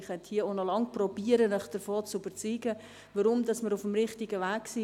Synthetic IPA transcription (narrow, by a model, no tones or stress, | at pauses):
χɛt̪hiəonɔlɑŋprɔbiəɾənœχd̥əɾfoːt͡syb̥əɾt͡syːɡə | ʋəɾʊmdɑsməɾʊfəmɾɪχtiɡəʋæːksi